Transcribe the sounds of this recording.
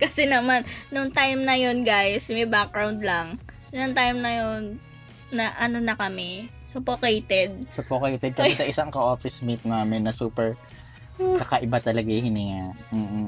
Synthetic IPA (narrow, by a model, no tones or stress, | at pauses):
kɐsɛnɐmannʊŋt̪ajmnɐjo̞nɡajsmejbak̚ɡɹawnd̪lɐŋ | nʊŋt̪ajmnɐjonː | ɐʔɐno̞nɐkɐmɛsopokejt̪ɛd̪̚sʊpokejt̪ɛd̪̚kɐɛsɐʔɪsaŋkɐʔoːfɪsmit̪̚naːmɪnːɐsuːpɛɹ | kɐkɐʔɪbat̪ɐlɐɡajhɪnɪŋam̩ːʔ̩